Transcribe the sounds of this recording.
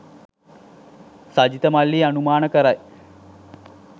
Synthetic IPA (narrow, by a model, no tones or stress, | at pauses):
sad͡ʑit̪əmalːiːanumaːnəkəɾaj